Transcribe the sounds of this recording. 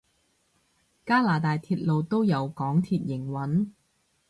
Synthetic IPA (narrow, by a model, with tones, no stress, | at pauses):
kaː˥laː˨˩t̪aː˨jt̪ʰiː˧t̚lo˨wt̪o˥wjɐ˨˧wkɔː˨˥ŋt̪ʰiː˧t̚jɪ˨˩ŋwɐ˨˥n